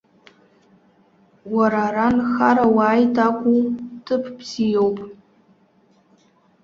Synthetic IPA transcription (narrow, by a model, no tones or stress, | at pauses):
waɾaɾanxaɾawaːjtʰʼakʷʼutʰɨpʰpʰsijowpʼ